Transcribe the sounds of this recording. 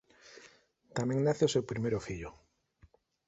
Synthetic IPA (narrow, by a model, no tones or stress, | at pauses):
t̪amẽŋnaθeosewpɾimeɾʊfiʎʊ